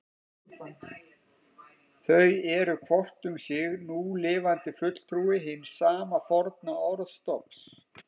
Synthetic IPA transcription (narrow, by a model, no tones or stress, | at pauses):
θœɥɛɾʏkʰvɔr̥t̪ʏmsjɪɣnulɪːvant̪ɪfʏt̪l̥t̪ʰɾuːɪɦɪnsaːmafɔɾt̪̚naɔɾðst̪ɔps